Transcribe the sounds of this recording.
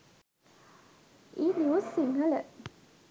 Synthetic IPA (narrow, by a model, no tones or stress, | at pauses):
iljosiŋələ